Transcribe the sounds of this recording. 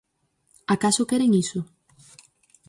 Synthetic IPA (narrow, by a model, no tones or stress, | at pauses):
akasʊkɛɾeŋisʊ